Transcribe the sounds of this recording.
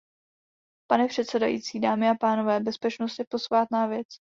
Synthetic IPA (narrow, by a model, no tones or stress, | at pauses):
panɛpr̥ɛt̪sɛdajḭːt͡siːdaːmɪapaːno̞vɛːbɛspɛt͡ʃnost̪ɛpo̞svaːt̪naːvjɛt͡s